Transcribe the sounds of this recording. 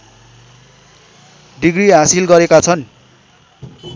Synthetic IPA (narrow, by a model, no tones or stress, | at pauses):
ɖiɡɾiɦasilɡʌɾekat͡sʰʌn